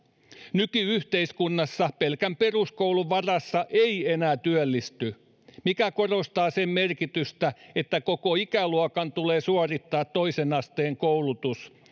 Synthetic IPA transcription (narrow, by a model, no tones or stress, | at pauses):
nykyyht̪eiskunːɑsːɑpelkæmpe̞ruskowluʋɑrɑsːɑʔeienæːt̪yølːist̪y | mikæko̞rost̪ɑːsemme̞rkit̪yst̪æet̪ːækokoikæluɑkɑnt̪uleːsuɑrit̪ːɑːt̪ːo̞isenɑst̪eːŋkouwlut̪us